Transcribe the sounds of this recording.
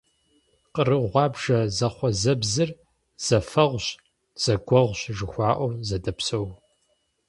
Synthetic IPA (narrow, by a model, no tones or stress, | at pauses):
qərɨʁʷɑːbʒɐzɐχʷɔzɐbzɨr | z̥ɐfɐʁʷɕ | z̥ɐɡʷɔʁʷɕʒɨxʷɑːʔʷɔwzɐdɐpsɐw